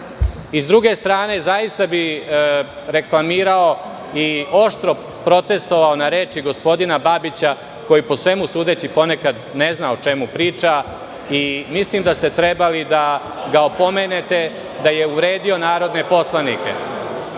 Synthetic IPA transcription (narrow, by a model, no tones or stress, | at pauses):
izd̪ɾuɡe̞st̪ɾaːne̞zajist̪abi | ɾe̞klˠamiːɾao̞ | io̞ʃt̪ɾo̞ | pɾo̞t̪e̞st̪o̞ʋaonaɾe̞ːt͡ʃiɡo̞spo̞d̪inababit͡ɕa | ko̞jiposʋe̞musuːd̪e̞t͡ɕipo̞ne̞kad̪ne̞znaot͡ʃe̞mupɾiːt͡ʃa | imislimd̪ast̪e̞t̪ɾebalid̪a | ɡaopo̞menet̪e̞ | d̪aje̞uɾe̞ːd̪io̞naːɾo̞d̪ne̞po̞slˠanikḛ